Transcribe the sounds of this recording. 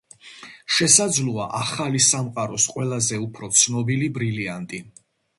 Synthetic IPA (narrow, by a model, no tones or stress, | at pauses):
ʃɛsad̪zlˠuaʔaχalisamqʼaɾɔsqʼwɛlazɛupʰɾɔt̪sʰnɔbilibɾiliant̪ʼi